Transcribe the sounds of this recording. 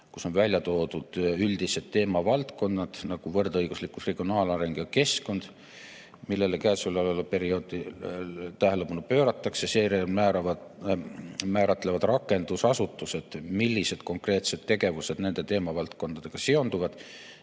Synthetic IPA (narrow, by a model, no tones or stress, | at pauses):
kuso̞nvælʲjɑt̪o̞ːd̪ud̪̥yld̪̥ise̞d̪̥t̪ːe̞ːmɑvɑlt̪ko̞nːɑd̪̥nɑɡ̥uvɤrd̪ɤjɡ̥uslikːˑusre̞ɡ̥io̞nɑːlɑɾe̞ŋɡ̥jɑke̞sko̞nd̪̥ | milːe̞lekæːsulɑlelupe̞ɾio̞ːd̪̥i | t̪æɦelepɑnupø̞ːɾɑt̪ːˑɑkseseːɾemæɑɑ | mæːɾɑt̪ːˑle̞vɑd̪rɑkːˑe̞nd̪̥usɑsut̪ːˑuse̞d̪̥milʲːise̞d̪̥ko̞ŋkre̞ːt̪se̞t̪t̪ːe̞ɡ̥e̞vuse̞d̪̥ne̞nd̪̥e̞t̪e̞ːmɑvɑlt̪ko̞nd̪̥ɑd̪e̞ɡ̥ɑseo̞nd̪uvɑd̪̥